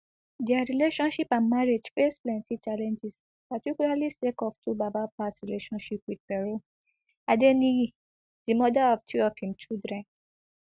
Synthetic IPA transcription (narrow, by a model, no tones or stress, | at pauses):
dɛaɾileʃɔ̃nʃipãnmaɾed͡ʒfesplɛ̃ntʰit͡ʃalɛ̃nd͡ʒis | patikulalisekɔftʰubabapasɹileʃɔ̃nʃipwid̚pɛɾo | adenĩ | d̥imɔdaɔftʰiɔfhĩmt͡ʃidɹɛ̃n